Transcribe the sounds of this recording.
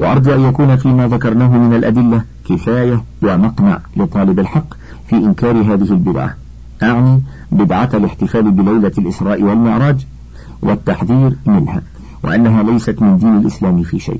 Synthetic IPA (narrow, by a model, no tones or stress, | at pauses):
waʔɑɾˤd̪ʊʔanjakuːnafiːmaːðakɑɾˤnaːɦʊmɪnalʔad̪ɪlːa | kɪfaːjawamɑqna̰ʕlɨt̪ˤɑːlɪbalħɑqː | fiːʔɪnkaːɾɪɦaːðɪhɪlbɪd̪ʕa̰ | ʔaʕni | bɪd̪ʕaalɪħt̪ɪfaːlɪbɪlawlalʔɪsɾˤɑːʔɪwalmɪʕɾˤɑːd͡ʒ | wʔat̪ːaħðiːɾmɪnha̰ː | wɪ̰ʔanːaɦaːlajsat̪mɪnd̪iːnalʔɪslaːmɪfḭːʃa̰jʔ